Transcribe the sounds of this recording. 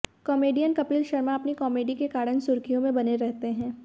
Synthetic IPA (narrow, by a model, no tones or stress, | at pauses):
kɔːmeːɖijənkɐpiːlʃɐɾmaɐpnikɔːmeːɖikekaːɽənsʊɾkʰijõmẽbɐneɾɛɦt̪eɦɛ̃ː